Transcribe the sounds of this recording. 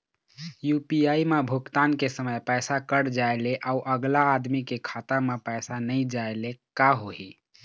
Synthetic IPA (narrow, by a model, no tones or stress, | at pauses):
jupiaimebʱukt̪ankesəməjpəjsakəɽd͡ʒaeleʔauʔəɡlaːd̪mikekʰat̪amepəɪsanəɪd͡ʒaelekaɦoɦi